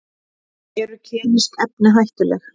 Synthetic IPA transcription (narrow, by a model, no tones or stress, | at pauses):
ɛɾʏcʰɛːnɪskɛp̚nɪɦajht̪ʏlɛ̰x